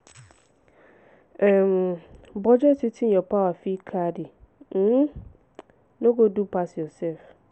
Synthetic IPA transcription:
ɛmbɔd͡ʒɛtʰɪtʰiɛ̃pʰawafikʰadɪ | nʊ̃ɡodupʰasjɔsɛf

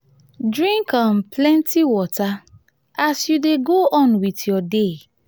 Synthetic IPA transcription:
dɹĩŋkɔ̃nplɛ̃ntʰiwɔta | asjudeɡoʔɔ̃nwitjɔde

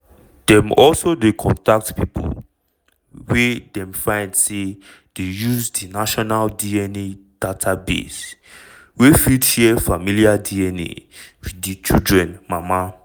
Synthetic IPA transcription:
d̥ɛ̃mɔlsodekʰɔ̰̃ntak̚tpipʰṵl | wɛdɛ̃mfãɪ̃ndse | d̥ejuzdinaʃɔnaldiɛned̥atʰabḛs | wefidʃɛfamiliadiɛnḛwidit͡ʃḭldɹɛ̃nmama

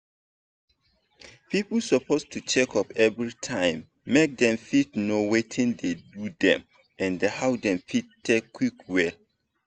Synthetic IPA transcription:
pʰiplsɔpʰostʰut͡ʃɛkʰɔpɛvɹitʰãɪ̃mː | ek̚dɛ̃mfitnowetʰĩndedudɛ̰̃m | ɛ̃ndehawdɛ̃mfittʰːekʰːwikwɛl

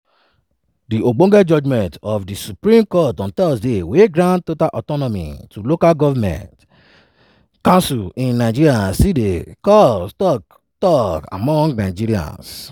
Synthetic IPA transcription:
diʔoɡ͡bõɡɛd͡ʒɔd͡ʒmɛ̃ntɔfdisupɾĩmkɔtɔ̃nt̪ɛsdeweɡɾãn̚totalʔɔtɔnɔmḭ̃tulokalɡɔvamɛ̰̃nt | kãnsulĩnːãɪd͡ʒiɾiasidekɔstɔk | tɔka̰mɔ̃ŋɡnaɪd͡ʒiɾiã̰ns

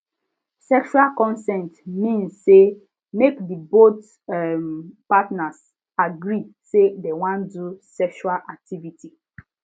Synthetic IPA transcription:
sɛkʃualkɔ̃nsɛ̃ntmĩnsse | mekdibot | ɛmpatnas | aɡɹi | sedewãndusɛkʃualʔak̚tʰiviti

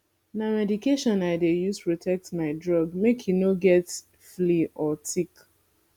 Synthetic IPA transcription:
namɛdikeʃɔ̃naɪdejuzpɹotʰɛk̚tmaɪdɹɔɡmekʰinoɡɛt | fliɔtʰik

